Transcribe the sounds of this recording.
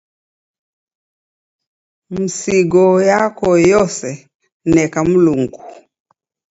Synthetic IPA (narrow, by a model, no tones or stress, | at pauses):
m̩siɡɔjakɔjɔsɛ | nɛkam̩luŋɡu